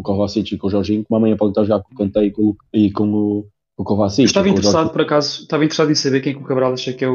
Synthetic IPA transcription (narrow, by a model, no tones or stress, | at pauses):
ukɔvasit̪uikõʒɔɾʒĩɲkumamɐ̃ɲɐ̃pɔðẽt̪aɾʒuɣaɾkõkɐ̃nt̪ɛikõuikõu | ukovasiʃt̪avɐĩt̪ɾsaðupɔɾɐkazuʃt̪avɐĩt̪ɾsaðẽsɐβeɾkẽɛkukɐβɾalˠaʃɐkɛ